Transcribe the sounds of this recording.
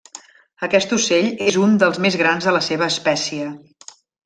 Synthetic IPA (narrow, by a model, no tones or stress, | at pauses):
əkɛst̪useʎezund̪əlˠzmezɣɾanzðələseβəːspɛsiə